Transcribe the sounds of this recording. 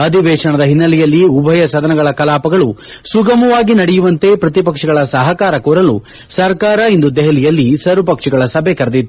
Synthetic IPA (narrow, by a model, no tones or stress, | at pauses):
ɐd̪ʱiʋɛːʂɐɳɐd̪ɐɦinːɐlɛjɐlːiubʱɐjɐsɐd̪ɐnɐɡɐɭɐkɐlaːpɐɡɐɭu | suɡɐmɐʋaːɡinɐɽɛjuʋɐnt̪e̞pɾɐt̪ipɐkʂiɡɐɭɐsɐɦɐkaːɾɐkuːɾɐlu | sɐɾkaːɾɐind̪ud̪ɛɦɐlijɐlːisɐɾupɐkʂiɡɐɭɐsɐbʱekɐɾɐd̪it̪ːu